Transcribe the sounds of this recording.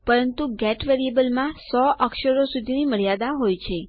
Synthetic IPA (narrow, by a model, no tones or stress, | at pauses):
pəɾənt̪uɡɛʈʋeɾiebəlmãsɔʔəkʃəɾosud̪ʱiniməɭjad̪aɦojt͡ʃʰe